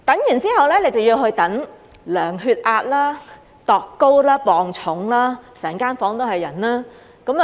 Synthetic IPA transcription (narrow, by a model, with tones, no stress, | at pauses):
t̪ɐ˨˥ŋjyː˨˩nt͡siː˥hɐ˨wlɛː˥ne˨˧jt͡sɐ˨wjiː˧ɦɵ˧ɥt̪ɐ˨˥ŋ | lœː˨˩ŋɦyː˧t̚ʔaː˧t̚laː˥ | t̪ɔː˨kːo˥wlaː˥pɔː˨ŋt͡sʰʊ˨˥ŋlaː˥sɛː˨˩ŋkaː˥nfɔː˨˥ŋt̪o˥whɐ˨jːɐ˨˩nlaː˥ | kɐ˨˥m˨